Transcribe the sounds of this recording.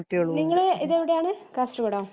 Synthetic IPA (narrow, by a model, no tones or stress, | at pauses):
ʈːijɐɭuniŋːɐɭeiðeʋiɽejaːɳɨkaːsʈɐɡɐɽoː